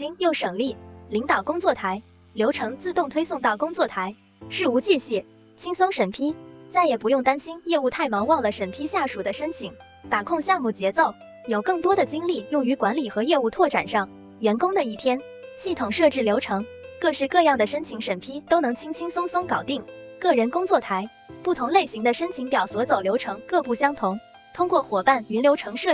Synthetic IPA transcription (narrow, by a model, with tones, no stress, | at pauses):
t͡ɕi˥ŋjo˥˩ʊʂə˨˩ŋli˥˩li˧˥ŋt̪ɑ˨˩ʊkʊ˥ŋt͡swɔ˥˩t̪ʰa˧˥ɪ | ljo˧˥ʊʈ͡ʂʰɤ˧˥ŋt͡sɹ̩˥˧t̪ʊ˥˩ŋt̪ʰwe˥ɪsʊ˥˧ŋt̪ɑ˥˩ʊkʊ˥ŋt͡swɔ˥˩t̪ʰa˧˥ɪ | ʂɻ̩˥˩u˧˥t͡ɕy˥˧ɕɛ˥˩ | t͡ɕʰi˥ŋsʊ˥ŋʂə˨˩npʰi˥t͡sa˥˩ɪjɛ˨˩pu˧˥jʊ˥˩ŋt̪a˥nɕi˥njɛ˥˧u˥˧t̪ʰa˥˩ɪmɑ˧˥ŋwɑ˥˩ŋlə˩ʂə˨˩npʰi˥ɕja˥˩ʂu˨˩d̪ə˦ʂə˥nt͡ɕʰi˧˩˥ŋ | t̪a˨˩kʰʊ˥˧ŋɕjɑ˥˧ŋmu˥˩t͡ɕjɛ˧˥t͡so˥˩ʊ | jo˨˩ʊkɤ˥˩ŋt̪wɔ˥d̪ə˨t͡ɕi˥ŋli˥˩jʊ˥˩ŋy˧˥kwa˧˥nli˨˩xɤ˧˥jɛ˥˧u˥˧t̪ʰwɔ˥˩ʈ͡ʂa̰˨˩nʂɑ˥˩ŋ | ɥɛ˧˥nkʊ˥ŋd̪ə˨i˥˩t̪ʰjɛ˥n | ɕi˥˩t̪ʰʊ˨˩ŋʂɤ˥˧ʈ͡ʂɻ̩˥˩ljo˧˥ʊʈ͡ʂʰɤ˧˥ŋ | kɤ˥˧ʂɻ̩˥˧kɤ˥˧jɑ˥˩ŋd̪ə˩ʂə˥nt͡ɕʰi˧˥ŋʂə˨˩npʰi˥t̪o˥ʊnɤ˧˥ŋt͡ɕʰi˥ŋt͡ɕʰi˥ŋsʊ˥ŋsʊ˥ŋkɑ˨˩ʊt̪i˥˩ŋkɤ˥˩ɻə˧˥nkʊ˥ŋt͡swɔ˥˩t̪ʰa˧˥ɪ | pu˥˩t̪ʰʊ˧˥ŋle˥˩ɪɕi˧˥ŋd̪ə˧ʂə˥nt͡ɕʰi˧˥ŋpjɑ˨˩ʊswɔ˧˥t͡so˨˩ʊljo˧˥ʊʈ͡ʂʰɤ˧˥ŋkɤ˥˧pu˥˩ɕjɑ˥ŋt̪ʰʊ˧˥ŋ | t̪ʰʊ˥ŋkwɔ˥˩xwɔ˨˩pa˥˩ny˧˥nljo˧˥ʊʈ͡ʂʰɤ˧˥ŋʂɤ˥˩